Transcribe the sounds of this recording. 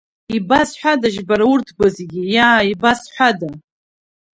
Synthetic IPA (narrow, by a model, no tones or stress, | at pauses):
ibasħʷᶣadaʒbaɾaurtʰɡʷazeɡʲijaːibasħʷada